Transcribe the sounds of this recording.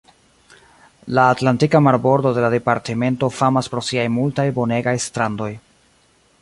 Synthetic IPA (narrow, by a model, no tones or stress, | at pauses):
laːtlantikamaɾbo̞ɾdo̞de̞lade̞paɾtime̞nto̞famaspɾo̞siajmultajbo̞ne̞ɡajstɾandoj